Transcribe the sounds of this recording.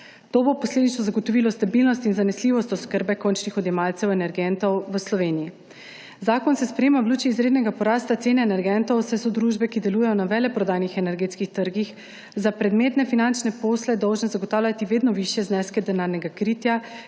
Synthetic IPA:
t̪oːbopɔsleːd̪it͡ʃnɔzaɡot̪ɔʋiːlɔst̪abilnɔst̪inzanɛsliːʋɔst̪ɔskəɾbɛkont͡ʃnixɔd̪jɛmalt̪sɛwɛnɛɾɡɛnt̪ɔwʋəslɔʋeːniji | zaːkɔnsɛspɾɛjeːmawluːt͡ʃiːzɾeːd̪nɛɡapɔɾaːst̪at̪seːnɛːnɛɾɡɛnt̪ɔwsɛsɔd̪ɾuːʒbɛkid̪ɛlujɛjɔnaʋɛlɛpɾɔd̪aːjnixɛnɛɾɡeːt̪skixt̪əɾɡix | zapɾɛd̪meːt̪nɛfinant͡ʃnɛpoːslɛd̪ɔwʒnɛzaɡot̪aːwlʲjʲat̪iʋeːd̪nɔʋiʃjɛznɛskɛd̪ɛnaːɾnɛɡakɾiːt̪ja

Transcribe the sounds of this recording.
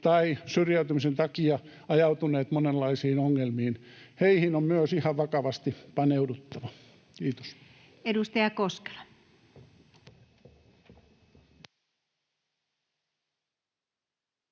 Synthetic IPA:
t̪ɑisyrjæyt̪ymisent̪ɑkiɑ | ɑjɑut̪uneːt̪monelːɑisiːnoŋːelmiːnheihinommyøsihɑʋʋɑkɑʋɑst̪ipɑneudut̪ːɑʋɑ | kiːt̪o̥s | edust̪ɑjɑkoske̥lɑ̥

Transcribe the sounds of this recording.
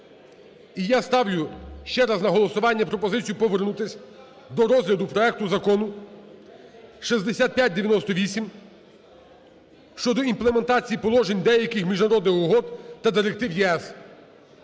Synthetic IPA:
ijast̪ɑwlʲʊʃt͡ʃɛɾɑznɐɦɔlˠɔsʊʋɑnʲːɐpɾɔpɔzɪt͡sʲijupɔʋeɾnut̪ɪsʲ | d̪ɔɾɔzɦlʲɐd̪ʊpɾɔɛk̚t̪ʊzɐkɔnʊ | ʃizʲd̪esʲat̪̚pʲjat̚ʲd̪eʋʲjɐnɔst̪ɔʋʲisʲim | ʃt͡ʃɔd̪ɔimplˠeme̞nt̪ɑt͡sʲijipɔlˠɔʒenʲd̪ɛjɐkɪxmʲiʒnɐɾɔd̪nɪxɔɦɔd̪t̪ɐd̪ɪɾek̚t̪ɪwjɛɛs

